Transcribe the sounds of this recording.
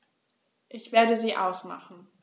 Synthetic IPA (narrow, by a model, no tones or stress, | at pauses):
ʔɪçv̥eːɐdəziːʔaʊsma̰χn̩